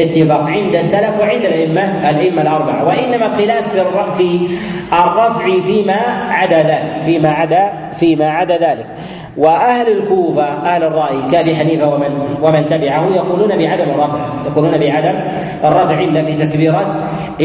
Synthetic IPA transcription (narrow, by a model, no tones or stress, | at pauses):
ɪt̪ːɪfaːqʕɪnd̪asːalafwɪʕɪnd̪alʔaʔɪmːalʔaʔɪmːalʔɑɾˤbaʕa̰waʔɪnːamaxɪlaːfːrfiɑrˤːɑfʕifiːmaːʕad̪aːðaːlɪkfiːmaʕad̪a | fiːmaʕad̪aːðaːlɪk | waʔahlɪlkuːfaʔahlɑrˤːɑʔjikaʔabiːħaniːfawaawamant̪abɪʕahʊjɑquːluːnabɪʕad̪amɑrˤːɑfʕ | t̪aquːluːnabɪʕad̪am | ʔɑrˤːɑfʕʔɪnd̪afiːt̪akbiːɾˤɑːt̪